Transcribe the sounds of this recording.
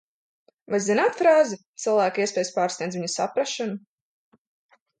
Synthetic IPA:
vajzinaːt̪fɾaːzit̪sɨlˠvæːkiɛspʲɛːjspaːɾsnʲiɛzviɲusa̰pɾaʃanu

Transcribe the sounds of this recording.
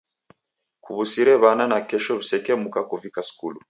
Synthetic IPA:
kuβusiɾɛβananakɛʃɔβisɛkɛmukakuvikaskulu

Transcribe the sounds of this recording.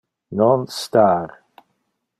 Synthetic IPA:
nɔ̃nstaɾ

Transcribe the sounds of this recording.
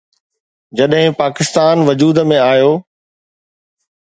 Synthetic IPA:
d͡ʑɐɗɦɪ̃paːkɪst̪aːnʋɐd͡ʑuːd̪mẽaːjoː

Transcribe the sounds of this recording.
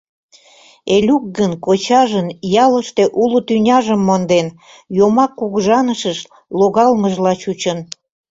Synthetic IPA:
elʲuk̚ɡənkot͡ɕɑʒənjɑləʃt̪eʔulut̪ynʲɑʒəmːond̪en | jomɑkːuɣʒɑnəʃəʃ | loɣɑlməʒlɑt͡ɕut͡ɕən

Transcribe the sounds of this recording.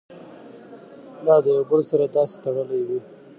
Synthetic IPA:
d̪ɑd̪əjobəlsaɾad̪ɑse̥t̪aɽəlajwi

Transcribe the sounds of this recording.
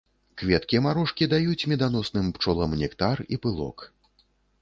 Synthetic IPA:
kvʲɛt̪kʲiɛmaɾɔʂkʲid̪ajut͡sʲmʲɛd̪anɔsnɨmpt͡ʂɔlˠɐmnʲɛkt̪aripɨlˠɔ̰k

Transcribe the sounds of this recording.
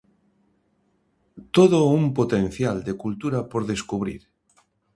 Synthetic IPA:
t̪oðoumpot̪ẽn̟θjald̪ekult̪uɾapoɾðeskuβ̞ɾḭɾ

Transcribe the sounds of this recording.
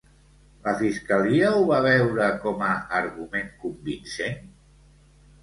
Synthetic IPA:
ləfiskəliəuβaβ̞ɛwɾəkɔməːɾɣumeŋkumbinsen

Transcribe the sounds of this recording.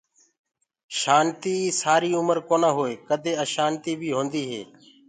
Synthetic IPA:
ʃaːnt̪iːsaːɾiːʊməɾkoːnaːɦoːeːkəd̪ʱeːəʃaːnt̪iːbʱiːɦõːnd̪iːɦḛː

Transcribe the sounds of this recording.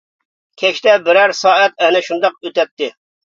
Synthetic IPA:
kʲʰɛʃt̪ɛbɪɾæɾsɑːɛt̪̚ɛnɛʃund̪ɑqøt̪ɛt̪ːɪ

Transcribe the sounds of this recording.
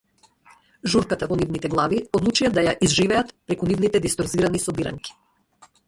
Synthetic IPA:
ʒuɾkat̪avɔnivnit̪ɛɡlˠaviɔd̪lˠut͡ʃijad̪ajaʔizʒivɛat̪pɾɛkunivnit̪ɛd̪ist̪ɔɾziɾanisɔbiɾa̰ŋki̥

